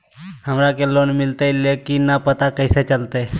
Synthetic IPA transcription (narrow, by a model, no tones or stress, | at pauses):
həmɾakeloːnmɪlt̪eleːkinːapət̪akəɪset͡ʃəlt̪e